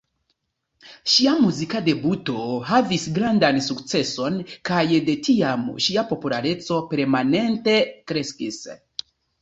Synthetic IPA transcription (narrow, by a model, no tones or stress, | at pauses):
ʃiamuzikade̞buto̞havisɡɾandansukt͡se̞so̞nkajde̞tiamʃiapo̞pulaɾe̞t͡so̞pe̞ɾmane̞nte̞kɾe̞skis